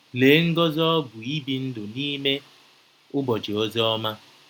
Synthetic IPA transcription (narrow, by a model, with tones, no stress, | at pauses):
le˨˦ŋ̩˦ɡɔ˦zɔ˦ɔ˦ɡʊ˨i˦bi˨n̩˦dʊ˨ni˦me˦ | ʊ˦bɔ˨d͡ʒi˨o˦ze˦ɔ˦ma˦